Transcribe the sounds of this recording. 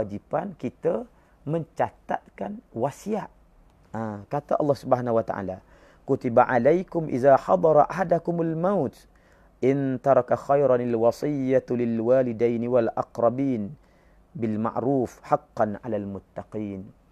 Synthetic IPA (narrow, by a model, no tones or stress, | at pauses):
ad͡ʒipankit̪a | məɲt͡ʃat̪a̰ʔkanwasijaʔ | ʔaːkat̪aʔɑ̰lˤːɑhsʊbhaːnawat̪a̰ʕa̰ːla | kʊt̪ibaʕa̰lajkʊmʔɪ̰ðaħɑ̰d̪ˤɑɾˤɑʔaħad̪akʊmalmawt̪ | ʔɪnt̪ɑɾˤɑkaxajɾˤɑnalwɑsˤɨjːalɪlwaːlɪd̪ajnɪwalʔɑqɾˤɑbiːn | bɪlma̰ʕɾuːfħɑqːɑnʕa̰lalmʊt̪ːɑqiːn